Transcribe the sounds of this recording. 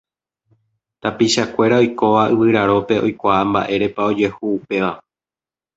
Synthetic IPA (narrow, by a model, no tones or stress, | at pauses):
t̪apiʃakʷe̞ɾao̞jko̞ʋaɨʋɨɾaɾo̞pe̞ʔo̞̰jkʷaamba̰ʔe̞ɾe̞pao̞d͡ʒe̞huːpe̞ʋa